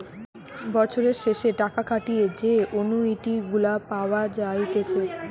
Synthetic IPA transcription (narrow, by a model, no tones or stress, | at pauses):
bɔt͡ɕʰoɾeɾʃeʃeʈakakʰaʈijed͡ʑeʔonuiʈiɡulapaoad͡ʑajt̪et͡ɕʰe